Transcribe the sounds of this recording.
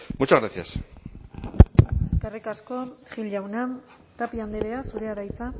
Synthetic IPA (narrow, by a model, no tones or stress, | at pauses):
mut͡ʃaɣɾasia̰s | eskerikasko̞ʝilawna | t̪apiand̪eɾeasuɾe̞aɾajt͡sa